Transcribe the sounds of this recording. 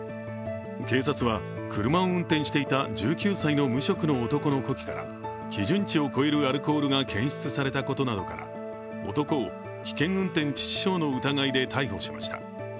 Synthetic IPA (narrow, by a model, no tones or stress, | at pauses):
ke̞ːsat͡sɨβa | kʰɯ̟ɾɯ̟maoɯ̟̃nt̪ẽɕi̥t̪e̞it̪ad͡ʑɨːkʲɨːsaino̞mɯ̟ɕo̞kɯ̟no̞ːt̪o̞ko̞no̞ko̞kʲi̥kaɾa̰ | kʲiʑɨ̃ɲt͡ɕio̞ko̞eɾɯ̟aɾɯ̟ko̞ːɾɯ̟ɡakẽ̞ɕi̥t͡sɨsaɾe̞t̪ako̞t̪o̞nad̪o̞̰ka̰ɾa̰ | o̞̰t̪o̞ko̞ː | kʲi̥kẽ̞ɰ̃ɯ̟̃nt̪ẽ̞ɲ̟t͡ɕi̥t͡ɕi̥ɕo̞ːno̞ɯ̟t̪aɡaid̪e̞t̪ʰaiho̞̰ɕima̰ɕi̥t̪ḁ̰